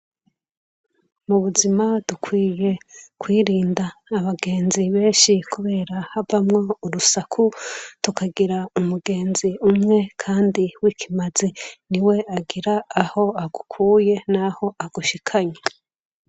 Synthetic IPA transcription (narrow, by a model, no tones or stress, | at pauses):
muβuzimadukʰwiːje̞kwiːɾiːndaːβaɡe̞ːnziβe̞ːnʃikʰuβe̞ːɾahavamŋo̞uɾusakʰutukʰaɡiɾaumuɡe̞ːnziumŋe̞kʰaːndiwiːkʰimaziniwe̞aɡiɾaːho̞aɡukʰuːje̞naho̞ʔaɡuʃikʰaɲe